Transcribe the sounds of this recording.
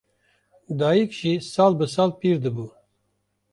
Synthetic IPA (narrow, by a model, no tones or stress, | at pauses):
d̪ɑːjikʃisaːlbəsaːlpiːɾd̪ɨbuː